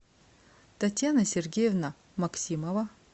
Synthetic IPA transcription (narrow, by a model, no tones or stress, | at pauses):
t̪ɐt̪ʲjanɐsʲerɡʲejevna | mɐksʲimɐva